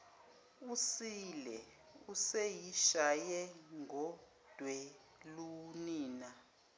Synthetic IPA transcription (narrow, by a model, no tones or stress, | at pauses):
usilɛ | usejiʃajɛŋɡɔ | d̥ʱwɛ | luniːna